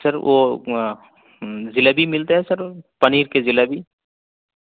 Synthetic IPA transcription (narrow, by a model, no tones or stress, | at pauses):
sɐɾʋʔoː | zɪlabʱimɪlt̪aɦɛsɐɾpɐniːɾkezɪlabʱi